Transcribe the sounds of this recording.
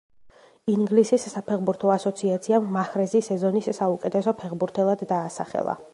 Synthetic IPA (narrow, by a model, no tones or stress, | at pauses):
iŋɡlisisːapʰɛʁbuɾt̪ʰɔasɔt̪sʰiat̪sʰiamːaχɾɛzisɛzɔnisːaukʼɛt̪ʰɛsɔpʰɛʁbuɾt̪ʰɛlˠad̪ːaːsa̰χɛ̰lˠa̰